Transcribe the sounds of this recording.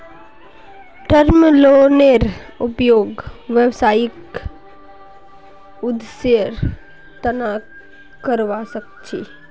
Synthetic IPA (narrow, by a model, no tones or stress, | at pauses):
ʈəɾmloːneɾʊpjoːɡʋjəʋsaːjɪk | ʊd̪seɾ | t̪əna | kəɾʋasək̚ | t͡ʃʰḭ